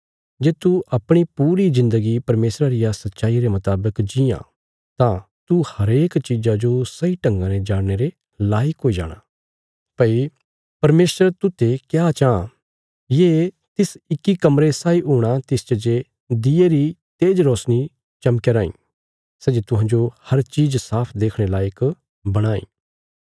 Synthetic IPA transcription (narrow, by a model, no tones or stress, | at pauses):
d͡ʒeːt̪uʔɐpɽ̃ipuːɾizɪ̃nd̪əɡipɐɾmeːsɾaɾɪjasɐt̪ːʃaːiɾemʊt̪aːbəkd͡ʒijã̰ | t̪ã | t̪uhɐɾeːkt͡ʃid͡ʒad͡ʒosɐiʈɐ̃ŋɡãned͡ʒaːɽñeɾe | laːɪkɦoːid͡ʒa̰ːɽ̃a | pɐi | pɐɾmeːsəɾt̪ʊt̪ːekjat͡ʃaː | je | t̪ɪsɪkːikɐmɾesaːiɦoːɽ̃at̪ɪst͡ʃɐd͡ʒe | d̪ɪeɾit̪eːd͡ʒɾɔːsñi | t͡ʃɐmkeɾãːḭ̃ː | sɛd͡ʒet̪ʊɦãːd͡ʒohɐɾt͡ʃiːd͡ʒsaːpʰd̪eːkʰɽ̃elaːjək | bɐɽ̃aːḭː